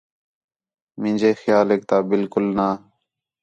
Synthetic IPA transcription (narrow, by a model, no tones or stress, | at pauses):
mɪ̃nʲd͡ʒʱeːxjaːleːk̚t̪aːbɪlkʊlnaː